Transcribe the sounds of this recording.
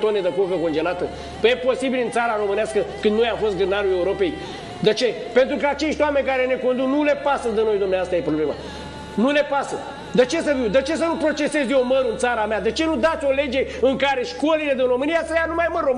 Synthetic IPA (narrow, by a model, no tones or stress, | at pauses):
t̪oned̪əkukəko̞nd͡ʒe̞lat̪ə | pəjepo̞sibilɨnt̪saɾaɾo̞mɨneaskəkɨnd̪nojamfo̞st̪̚ɡɾɨnaɾule̞uɾo̞pe̞j | d̪et͡ʃe̞ | pe̞nt̪ɾukəat͡ʃe̞ʃt̪ʲwame̞nʲkaɾe̞ne̞ko̞nd̪uknule̞pasəd̪əno̞jd̪umneaoast̪ajepɾoble̞ma̰ | nule̞pasə | d̪et͡ʃe̞səviwd̪et͡ʃe̞s̬ənupɾo̞t͡ʃe̞se̞zjewməɾɨnt̪saɾamead̪et͡ʃe̞nud̪at̪sʲo̞le̞d͡ʒe̞ɨŋkaɾe̞ʃko̞lile̞d̪inro̞mɨnijasəjanumajmərrom